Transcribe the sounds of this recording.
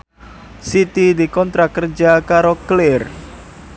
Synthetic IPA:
sit̪id̪ikɔnt̪ɾakərd͡ʒakaɾoklɪr

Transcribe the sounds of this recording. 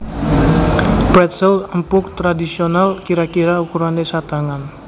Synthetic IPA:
bɾɛt̪sɛləmpʊk̚t̪ɾadisionalkiɾakiɾaukuɾanesat̪aŋan

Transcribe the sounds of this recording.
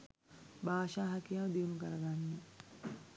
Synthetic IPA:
baːʃaːɦakijaʋd̪iʋunukəɾɐɡanːə

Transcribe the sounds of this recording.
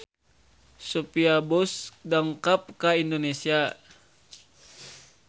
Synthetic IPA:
sopiabɔsdaŋkap̚kaindonesia

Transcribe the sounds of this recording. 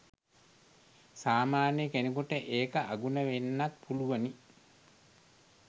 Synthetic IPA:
saːmaːnjəkenekuʈəʔeːkəʔaɡunəʋenːat̪̚pʰuluʋəni

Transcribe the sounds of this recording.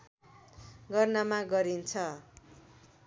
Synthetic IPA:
ɡʌrnamaɡʌɾint͡sʰʌ

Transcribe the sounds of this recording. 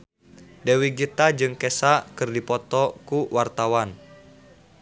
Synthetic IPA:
dewiɡit̪ad͡ʒɨŋkɛsaʔkɨrdipɔt̪ɔkuwart̪awan

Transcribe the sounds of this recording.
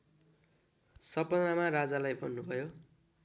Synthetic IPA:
sʌpʌnnamarad͡zalajbʱʌnːubʱʌjo

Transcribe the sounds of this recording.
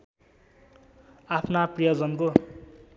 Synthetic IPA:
apʰnaprʌjʌd͡zʌnko

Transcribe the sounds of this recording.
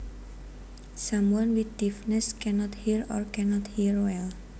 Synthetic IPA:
samwɔnwit̪d̪̥ifnɛskɛnɔt̪hiɾɔ̰rkɛnɔt̪hiɾwɛl

